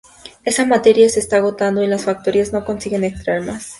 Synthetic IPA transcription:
e̞samat̪e̞ɾjase̞ːst̪aːɣo̞t̪and̪o̞ilasfak̚t̪o̞ɾiazno̞ko̞nsiɣe̞ne̞kst̪ɾaeɾmas

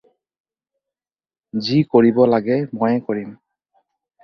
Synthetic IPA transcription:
zikoɹibɔlaɡɛmojɛkoɹim

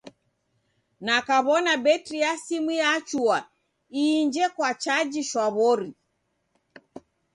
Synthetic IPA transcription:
nakaβɔnabɛtɾiasimijat͡ʃua | iːɲd͡ʒɛkwat͡ʃad͡ʒiʃwaβɔɾi

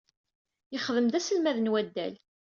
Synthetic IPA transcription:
jəχðəmd̪æsəlmæðənwæd̪ːæ̰l

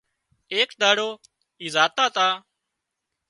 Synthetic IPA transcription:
eːkd̪aːɽoː | iːzaːt̪aːt̪aː

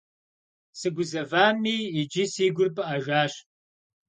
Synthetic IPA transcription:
sɨɡʷʊzɐvaːmiːid͡ʒisiːɡʷʊrpʰʼɨʔɐʒaːɕ

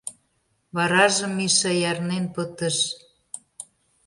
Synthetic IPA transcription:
βɑɾɑʒə̆mːiʃɑjɑrnenpət̪əʃ

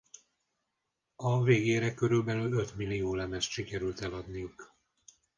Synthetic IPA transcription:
ɒveːɡeːɾɛkø̞ɾylbɛlylø̞t̪milːioːlɛmɛst̪ʃikɛɾylt̪ɛlɒd̪nijuk

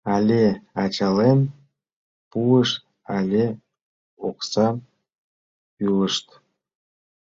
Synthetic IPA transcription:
ɑlʲeɑt͡ɕɑlen | puəʃ | ɑlʲe | oksɑ | yləʃt̪

